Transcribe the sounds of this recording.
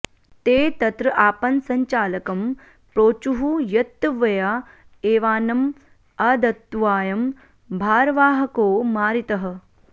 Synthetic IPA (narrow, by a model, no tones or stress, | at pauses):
t̪eːt̪ɐt̪ɾɐʔaːpɐnsɐɲt͡ʃaːlɐkɐm | pɾoːt͡ʃuɦujɐt̪ːʋɐjaː | eːʋaːnɐm | ɐd̪ɐt̪ːʋaːjɐm | bʱaːɾʋaːɦɐkoːmaːɾit̪ɐɦɐ̆